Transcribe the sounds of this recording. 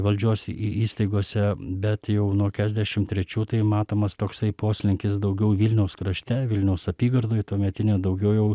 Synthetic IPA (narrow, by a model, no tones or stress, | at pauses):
ʋɐlʲd͡ʒʲuɔsiiːst̪ɐɪɡoːsʲɛbʲɛt̪jɛʊnuɔkʲæːʒʲd̪ʲæʃʲɪmt̪ʲːɾʲɛt͡ʃʲuːt̪ɐɪmɑːt̪oːmɐst̪oːksɐɪpoːsʲlʲɪŋʲkʲɪsd̪ɐʊɡʲɛʊʋʲɪlʲnʲɛʊskɾɐʃʲt̪ʲɛʋʲɪlʲnʲɛʊsɐpʲiːɡɐrd̪oːjt̪oːmʲɛt̪ʲɪnʲɛːd̪ɐʊɡʲɛʊjɛʊ